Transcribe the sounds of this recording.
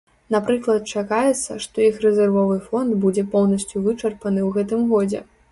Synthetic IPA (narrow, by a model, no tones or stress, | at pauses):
napɾɨklˠɐt̪̚t͡ʂakajɛt̪sːɐʂt̪ɔixrɛzʲɛrvɔvɨfɔnd̪bud͡zʲɛpɔwnɐsʲt͡sʲjuvɨt͡ʂɐrpɐnɨwɣɛt̪ɨmɣɔd͡zʲɛ̰